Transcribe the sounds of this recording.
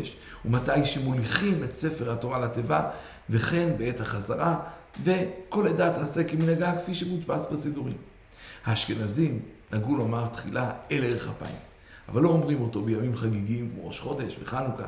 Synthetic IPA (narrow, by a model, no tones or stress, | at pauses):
eʃ | umatajʃemoliχime̞tse̞fe̞ʁhato̞ʁalateva | ve̞χe̞nbee̞thaχazaʁa | ve̞ko̞ledatasekiminaɡakfiʃemudpasbasiduʁim | haʃkenazimnaɡulomaʁtχilaeleʁeχhapa̰ḭm | avalːo̞ːmʁimo̞to̞bejamimχaɡiɡimkmoʁo̞ʃχo̞d̪e̞ʃveχanuka̰